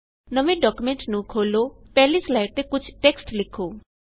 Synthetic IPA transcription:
nəmẽɖɔkjumẽɳʈnũkʰoːlopɛːlislaɪʈ̚t̪ekʊt͡ʃʰʈeksʈlɪkʰo

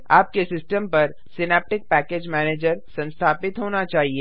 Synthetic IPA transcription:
aːp̚kesɪsʈəmpɐɾ | sɪnɛːp̚ʈɪk̚pɛːkeːd͡ʒmɛːneːd͡ʒəɾsɐ̃nst̪ʰaːpɪt̪ɦoːnat͡ʃaːɦieː

